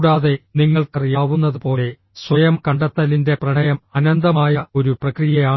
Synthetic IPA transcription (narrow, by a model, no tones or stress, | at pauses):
ɽaːðe̞niŋːɐɭkɐrijaːʋunːɐðupo̞ːle̞ | swɐjɐmkɐɳɖɐt̪ːɐlinde̞prɐɳɐjɐmɐnɐnd̪ɐmaːjɐo̞ɾuprɐkrijɐjaː